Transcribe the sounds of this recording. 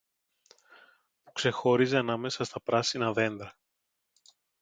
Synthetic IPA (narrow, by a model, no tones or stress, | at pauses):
pu̥kse̞xo̞ɾize̞ɐnɐme̞sɐst̪ɐpɾɐsinɐðe̞nd̪ɾɐ